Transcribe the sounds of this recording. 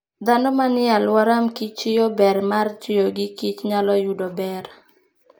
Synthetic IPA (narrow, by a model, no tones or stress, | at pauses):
d̪anɔmanɪalwɔɾamkit͡ʃɪjɔbɛrmart͡ʃɪjoɡikit͡ʃɲalɔjudɔbɛr